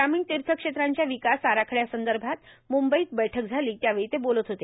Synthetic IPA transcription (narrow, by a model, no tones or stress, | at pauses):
ɡɾamiːɳt̪iɾt̪ʰəkʂet̪ɾaɲt͡ɕjaʋikasaɾakʰəɭjasənd̪əɾbʱat̪mumbəiːk̪̚bəjʈʰək̚d͡zʱaliːt̪jaʋeɭit̪ebolət̪ɦot̪e